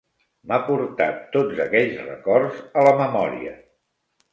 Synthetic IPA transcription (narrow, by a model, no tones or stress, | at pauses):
mapuɾt̪a̰t̪ːod͡zəkɛʎsrəkɔrzələməmɔɾḭə̰